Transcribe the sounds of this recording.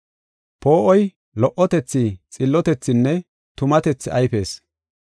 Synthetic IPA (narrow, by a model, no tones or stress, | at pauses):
po̞ːʔɔj | lɔʔɔt̪ɛt͡sːɪt͡sʼɪlːɔt̪ɛt͡sːɪnːɛ | t̪ʊmɐt̪ɛt͡sːɪɐjfe̞ːs